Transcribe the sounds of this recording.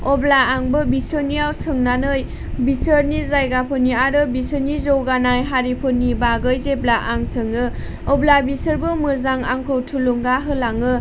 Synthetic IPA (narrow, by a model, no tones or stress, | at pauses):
ɔblaːŋbɯbisɯniawsɯŋnanɯj | bisɯɾnizajɡapʰɯniaɾɯbisɯnizowɡanajɦaɾipʰɯnːibaɡɯjzeblaʔaŋsɯŋɯ | ɔblabisɯɾbɯmɯɾzaŋaŋkʰowtʰuluŋɡaɦɯlaŋɯ